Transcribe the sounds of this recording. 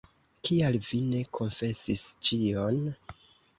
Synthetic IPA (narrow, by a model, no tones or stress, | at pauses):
kialvine̞kʰo̞ɱfe̞sist͡ʃio̞n